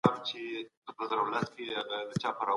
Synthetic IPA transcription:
amt͡ʃepət̪əzəɾawlast̪keaɣad̪ət͡ʃɑpaɾa

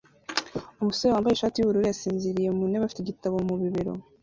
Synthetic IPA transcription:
umusoɾewaːmbajeʃaːtijuβuɾuɾejasiːnziɾije̞muneβafi̥teɟitaβo̞muβiβiɾo̞̰

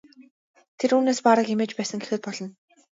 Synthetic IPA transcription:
t̪ʰeɾuːneːspaɾə̆kemeːt͡ɕpæːsə̆ŋɡexɘ̆t̪̚pɔɮɞ̆n

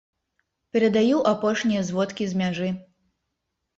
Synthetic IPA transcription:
pʲɛɾɐd̪ajuwʔapɔʂnʲijɐzvɔt̪kʲizʲmʲaʐɨ

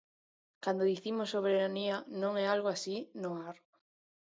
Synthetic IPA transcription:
kand̪oðiθimʊsːoβeɾanianõŋɛalɣoasinʊaɾ

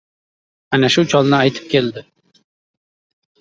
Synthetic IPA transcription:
ænæʃut͡ʃʰɑlˠnɨɑjt̪ʰɨ̥p̚kʲʰeld̪ɪ

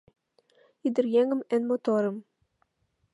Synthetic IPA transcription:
id̪ɘ̆rjæŋɘ̆mænmot̪oɾɤ̆m

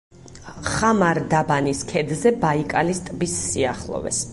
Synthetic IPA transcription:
χamaɾd̪abaniskʰɛd̪zɛbaikʼalist̪ʼbisːiaχlˠɔ̰vɛ̰s

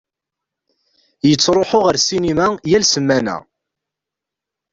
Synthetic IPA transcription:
jət͡sːɾˤoħʊʁəɾsinimæjælsəmːænæ̰

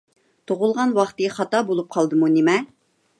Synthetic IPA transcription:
t̪ʰoʁʊlˠʁɑnwɑχt̪ɨχɑt̪ɑbolˠup̚qʰɑlˠd̪ɨmunemɛ

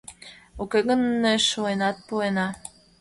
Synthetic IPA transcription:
okeɣə̆nːeʃuenɑt̪̚puenɑ

